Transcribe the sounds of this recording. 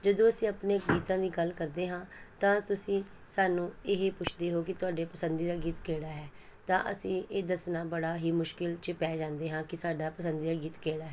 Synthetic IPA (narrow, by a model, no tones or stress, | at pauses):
d͡ʒəd̪õːəsĩːəpneːɡiːt̪ãːd̪iːɡəlkəɾd̪eːɦãːt̪ãːt̪ʊsĩː | saːnũːɪɦeːpʊt͡ʃʰd̪eːɦoːkɪt̪ʊaːɖeːpəsənd̪iːd̪aːɡiːt̪keːɽaːɦɛː | t̪ã̰ːʔə̰sĩːeːd̪əsnaːbəɽaːɦiːmʊʃkɪlt͡ʃəpɛːd͡ʒãːnd̪eːɦãːkɪsaːɖaːpəsənd̪iːd̪aːɡiːt̪keːɽaːɦɛː